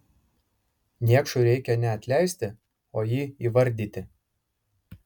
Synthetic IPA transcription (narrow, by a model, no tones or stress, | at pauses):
nʲiɛkʃʊɾʲɛɪkʲɛnʲɛɐt̪ʲlʲɛˑɪsʲt̪ʲɪ | oːjiːiːʋɐɾʲd̪ʲiːt̪ʲɪ